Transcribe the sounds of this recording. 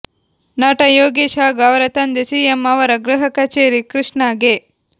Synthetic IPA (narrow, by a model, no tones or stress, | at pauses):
naːʈɐjoːɡeːʃaːɡɐʋɐɾɐt̪ɐnd̪esiːjemːɐʋɐɾɐɡɾɨɦɐkɐt͡ʃeːɾikɾɪʂɳaːɡeː